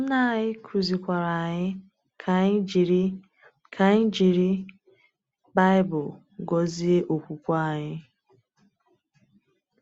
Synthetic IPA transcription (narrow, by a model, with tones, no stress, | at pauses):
m̩˦na˦˨ɲɪ˦kʰu˨zi˨kʷa˨ɾa˨ɲɪ˦ | kʰi˨ɾ | kʰa˨ɲ˦d͡ʒi˨ɾi˦ | ba˦ɪ˦bʊ˨ | ɡɔ˦zi˦e˦ʔo˨kʷu˨kʷa˦˨ɲɪ˦